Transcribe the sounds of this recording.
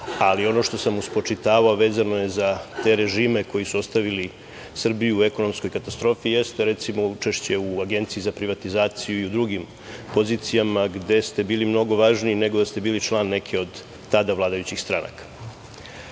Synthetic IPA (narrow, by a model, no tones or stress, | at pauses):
alio̞no̞ʃt̪o̞samuspo̞t͡ʂit̪aːʋao̞ʋe̞ːzano̞je̞zat̪e̞ɾe̞ʒiːme̞ko̞jisuo̞st̪aʋili | sr̩bijuueko̞no̞msko̞jkat̪ast̪ɾo̞ːfije̞st̪eɾe̞t̪simo̞ut͡ʂe̞ʃt͡ɕe̞uaɡe̞nt̪siizapɾiʋat̪izaːt̪sijuiud̪ɾuɡim | po̞ziːt̪sijamaɡd̪e̞st̪e̞biːlimno̞ɡo̞ʋaʒniːne̞ɡo̞d̪ast̪e̞biːlit͡ʃlˠaːnːe̞kʰeo̞d̪ː | ad̪aʋlˠaːd̪ajut͡ɕixst̪ɾa̰na̰kḁ